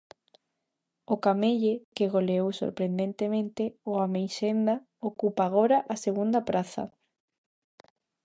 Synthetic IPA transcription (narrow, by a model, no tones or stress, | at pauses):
okameʎekeɣoleowso̰ɾpɾend̪ent̪emẽnt̪eoamejʃend̪a | okupaːɣ̞oɾaʔaseɣ̞und̪apɾaθa̰